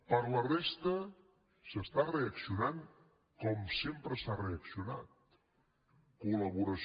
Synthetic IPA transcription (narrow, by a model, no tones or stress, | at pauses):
pəɾlərest̪ə | səst̪areəksiunaŋ | kɔmsempɾəsareəksiunat̪̚ | kuləβuɾəs